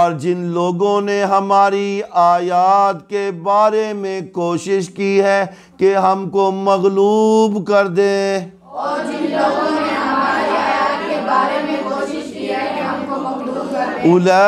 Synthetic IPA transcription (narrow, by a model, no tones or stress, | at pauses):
ɔːɾd͡ʒɪnloːɡõneɦɐmaːɾiaːjaːt̪kebaːɾemẽkoːʃɪʃkiɦɛ | keɦɐmkomɐɣluːbkɐɾd̪ẽ | ɔːɾd͡ʒɪnloːɡõneɦɐmaɾiaːjaːt̪kebaːɾemẽkoːʃɪʃkiɛeɦɐmkomɐɣluːbkɐɾeʊlɛ